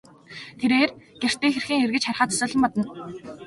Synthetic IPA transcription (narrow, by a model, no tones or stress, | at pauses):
t̪ʰeɾeːrɡ̥er̥t̪iːxerxiːŋerɣɘ̆t͡ɕχarχaːt͡s̪ʰḁsʊːɮə̆mpɔt̪ɞ̆n